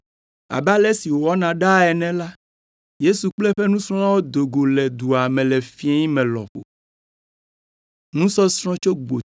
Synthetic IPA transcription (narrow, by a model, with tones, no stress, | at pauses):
a̰˨ba˦lɛ˦si˨wo˨wɔ˦nã˨ɖa˦ɛ˨nɛ̃˨la˦ | je˦su˨k͡plɛ˦ɸɛ˦nũ˦sɾɔ̃˦la˦wo˦d̪o˨ɡo˨lɛ˨d̪u˨a˨mɛ̃˨lɛ˨fi˦ɛ˦ɲĩ˦mɛ̃˨lɔ̰˨ɸo̰˨ | nũ˦sɔ˦sɾ̃ɔ̃˦t͡ʃo˦ɡ͡bo˨